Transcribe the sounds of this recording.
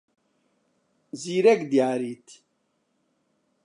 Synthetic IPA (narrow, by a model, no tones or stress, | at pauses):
ziːɾɛkd̪ijaːɾiːt̪ʰ